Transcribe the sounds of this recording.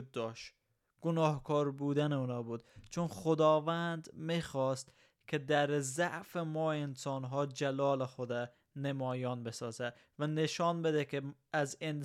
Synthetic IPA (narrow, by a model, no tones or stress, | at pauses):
d̪̚ːɒːʃ | ɡ̥onɒːhkʰɒːɾbuːd̪æneuːnɒːbuːd̪̥t͡ʃʰonχod̪ɒːvænd̪miːxɒːst̪ | kʲʰed̪æɾzæʔfemɒːensɒːnɦɒːd͡ʒælɒːlexod̪æ | nemɒːjɒːnbe̞sɒːzæ | væneʃɒːnbed̪ekʰe | æzen